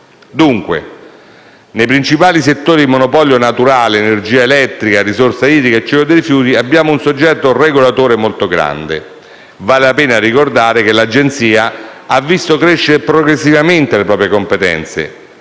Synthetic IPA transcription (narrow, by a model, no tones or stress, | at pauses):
d̪uŋkwḛ | nejpɾint͡ʃipaːliset̪ːoːɾid̪imonopɔljonat̪uɾaːleːnerd͡ʒiːaelɛt̪ːɾikarisorsaiːd̪ɾikaet͡ʃːɛkod̪eijfjuːt̪iabːjaːmounsod͡ʒːɛt̪ːoreɡolat̪oːɾemolt̪oɡɾa̰nd̪ḛ | vaːlelapeːnarikord̪aːɾekelad͡ʒent̪siːaavːist̪okɾeʃːeɾepɾoɡɾesːivament̪elepɾɔːpɾjekompet̪ɛ̰nt̪sḛ